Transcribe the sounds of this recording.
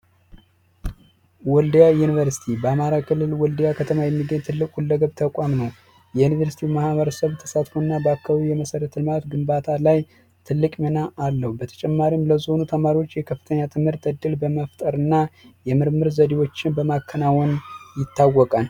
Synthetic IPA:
wɔld̪jajunivəɾsi̥t̪ʰibəamaɾakʰɨlːɨlwɔld̪jakʰət̪ʰəmajɛmːiɡəɲt̪ʰɨlːɨkʼhulːəɡəβt̪ʰəkʷʼamnəw | jɛjunivəɾsi̥t̪ʰimahβəɾəsəβt̪ʰə̥sat̪foɨnːabakːəβijɛməsəɾət̪ʰlɨmat̪ɡɨmbat̪ʰalaj | t̪ʰɨlːɨkʼmənaːlːəhubət̪ʰə̥t͡ʃʼɛmːaɾimləzo̞nut̪ʰəmaɾiwot͡ʃːjɛkʰəfːɨ̥t̪ʰəɲːat̪ʰɨmhɨɾt̪əd̪ːɨlbəməft̪ʼəɾɨnːajɛmɨɾmɨɾzəd̪iwo̞t͡ʃːɪnbəmakʰːənawɔnjɪt̪ʰːawɔkʼan

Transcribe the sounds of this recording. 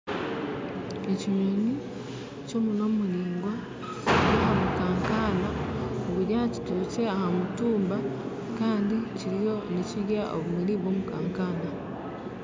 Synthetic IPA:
eciɲeni | co̞ːmuno̞ːmuliːŋɡwa | ɾahamukaːŋkanaoβuɾjaci̥tot͡se̞ahamutuːmba | kaːndiciɾijo̞niciɾjaʔo̰βumiliβwo̞ːmukaːŋkana

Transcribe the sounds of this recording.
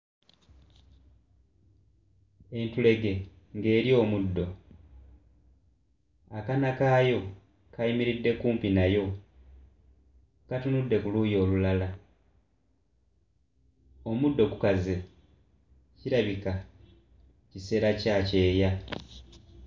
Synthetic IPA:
e̞ntule̞ɡe̞ | ŋɡe̞ːɾjo̞ːmudːo̞ | akanakaːjo̞ | kaimiɾidːe̞kuːmpinajo̞ | katunudːe̞kuluːjo̞ːlulala | o̞mudːo̞kukaze | ciɾaβika | cise̞ːɾacaːce̞ːja

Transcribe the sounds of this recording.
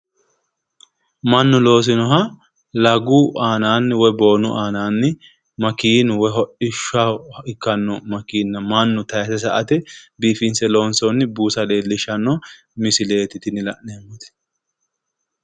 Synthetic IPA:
mɐnːʊlo̞ːs̬ɪnɔɦɐ | lɐɡʊʔaːnaːnːɪwɔjbo̞ːnʊʔaːnaːnːɪ | mɐkiːnʊwɔjɦɔʔɪʃaɪkːɐnːɔmɐkiːnːɐmɐnːʊt̪ɐjɐt̪ɛs̬ɐʔɐt̪ɪbiːfɪnsɛloːnsɔnːɪbuːsɐle̞ːlːɪʃɐnːɔ | mɪsɪle̞ːt̪ɪt̪ɪnɪlɐ̰ʔneːmːɔt̪ɛ̥

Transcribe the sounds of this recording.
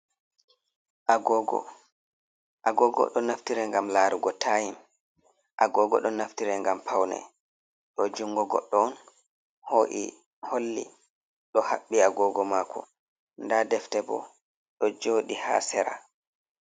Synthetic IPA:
ʔaɡɔɡɔ̰ | ʔaɡɔɡɔ̰ɗɔnaftiɾɛŋɡamlaɾuɡɔtʰajim | ʔaɡɔɡɔ̰ɗɔnaftiɾɛŋɡampʰawnɛ̰ | ɗɔd͡ʒuŋɡɔɡɔ̰ɗːɔn | hoʔḭ | holːḭ | ɗɔhaɓːiaɡɔːɡɔmaːkʰɔ | ndadɛftɛbɔ̰ | ɗɔd͡ʒoːɗiha̰ːsɛɾa̰

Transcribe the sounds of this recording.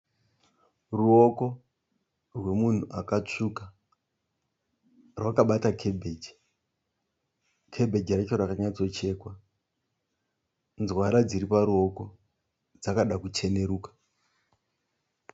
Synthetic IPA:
ruo̞ko̞ | rwe̞mun̤uʔakat͡ʂuka | rwakaɓatakʰe̞bʱed͡ʒi̥ | kʰe̞bʱe̞d͡ʒirat͡ʃo̞rakaɲat͡so̞t͡ʃe̞ːkwa | nzwaɾad͡ziɾipaɾuo̞ko̞ | d͡zakaɗakut͡ʃe̞ne̞ɾuːkḁ

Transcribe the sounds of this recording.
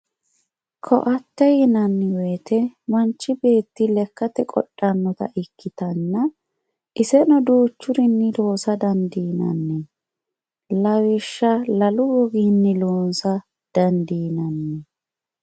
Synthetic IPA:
kʰɔ̰ʔɐt̪ːɛjɪnɐnːɪweːt̪ɛmɐnt͡ʃːɪbe̞ːt̪ːɪlɛkːɐt̪ɛkʼɔ̰ᶑʼːɐnːɔt̪ɐ̰ʔɪkːɪt̪ɐnːɐ | ʔɪsɛnɔd̪uːt͡ʃːʊɾɪnːɪlo̞ːsɐd̪ɐnd̪iːnɐ̰nːɛ | lɐwɪʃːɐlɐlʊwɔɡinːɪloːnsɐ | d̪̥ɐnd̪iːnɐnːɛ

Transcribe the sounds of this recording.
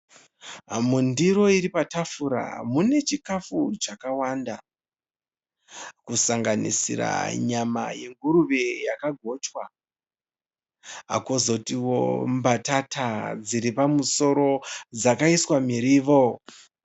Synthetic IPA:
mundiɾo̞iɾipatafuɾa̰mune̞t͡ʃikafut͡ʃakawanda | kusaŋɡanḭsḭra̰ɲama̰je̞ŋɡuɾuʋejakaɡʱo̞t͡ʃwa | ɦa̰kozo̞tiwo̰mbatatʰad͡ziɾipamuso̞ɾo̞d͡zakaiswamiɾiʋo

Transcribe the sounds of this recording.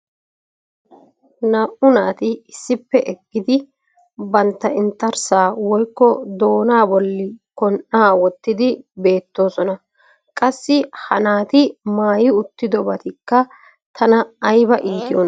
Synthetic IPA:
nɐʔʊnaːt̪ɪɪsːɪpːɛʔɛɡːɪd̪ɪ | bɐnt̪ːɐɪnt̪ːɐɾsaːwɔjkːɔd̪o̞ːnaːbɔlːɪkɔnʔaːwɔt̪ːɪd̪ɪbe̞ːt̪ːo̞ːsɔnɐ | kʼɐsːɪhɐnaːt̪ɪmaːjɪʊt̪ːɪd̪ɔbɐt̪ɪkːɐ | t̪ʰɐnɐːjbɐʔiːt̪ɪjɔn

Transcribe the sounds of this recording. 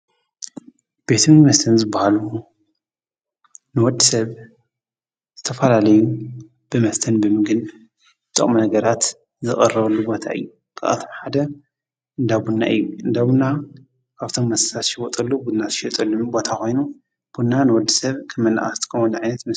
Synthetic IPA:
b̥e̞t̪ʰmɨɡmɐst̪ʰɐnzɨbːahalu | nɨwɔd̪ːisɐβ | z̥ɨt̪ʰɐfɐlalɐju | b̥ɨmɐst̪ʰɐnbɨmɨɡɨn | zɨt̪ʼɐ̰χʼmunɐɡɐɾat̪ | zɨχʼɐrɐβɐlːubo̞t̪ʰa̰ʔɨ̰jːu | kʰɨʔa̰t̪ʰomħad̪ɐ | ɨnd̪abunːa̰ʔɨ̰jːuɨnd̪abunːa | kʰaβt̪ʰo̞mːɐsɨ̥sʰat̪ʃɪwɔt̪ʼɐlːubud̪nazɨʃɛt̪ʼɐlːumbo̞t̪ʰakʰo̞jnu | b̥unːanɨwɔd̪ːɨsɐβkʰɐmːɐnːa̰ʔʼa̰st̪ʰkʰɐmɔnʕajnɐt̪mɨ

